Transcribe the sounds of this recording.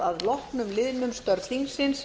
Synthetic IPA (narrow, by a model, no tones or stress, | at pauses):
aðlɔhknʏmlɪðnʏmst̪œɾðθiŋsɪns